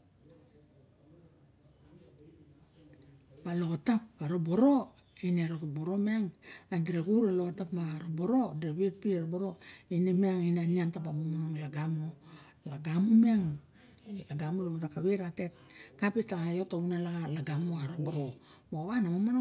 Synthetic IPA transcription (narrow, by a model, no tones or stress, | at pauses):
balo̞tap̚aɾoboɾo̞ | ineɾokboɾo̞meaŋaɡiɾaɡuɾalo̞tapmaɾobo̞ɾo̞deβetpiaɾoboɾo̞inemeaŋinaniantapamomonoŋlaɡamo | laɡamomeaŋ | aɡamolootakaβeɾatet̚kapetaajotaunalaɡalaɡamoaɾoboɾoboβanamomano